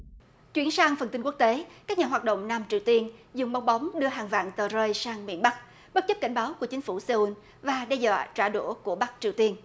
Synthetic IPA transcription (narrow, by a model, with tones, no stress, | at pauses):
t͡ɕwi˧˩ənsaː˧ŋfə˨˩nt̪i˧ŋ̟ku˦˥k̚t̪e˨˦kaː˦˥k̚ɲaː˨˩ɦwaː˨˩t̚ɗo̰˧˨wŋ͡mnaː˧mt͡ɕi˨˩əwt̪i˧ənzʊ˨˩ŋ͡mɓa˨˦wŋ͡mɓa˨˦wŋ͡mɗɨ˧əɦaː˨˩ŋva̰ː˧˨ŋt̪əː˨˩zəː˧jsaː˧ŋmḭ˧˥ənɓa˦˥k̚ | ɓə˦˥t̚t͡ɕə˦˥p̚ka˧˩jŋ̟ɓaː˨˦wku˧˩ət͡ɕï̟˨˦fu˧˩səː˧ʔu˧n | vaː˨˩ɗɛ˧zwa̰ː˧˨t͡ɕaː˧˩ɗṵ˧˩ku˧˩əɓa˦˥k̚t͡ɕi˨˩əwt̪i˧ən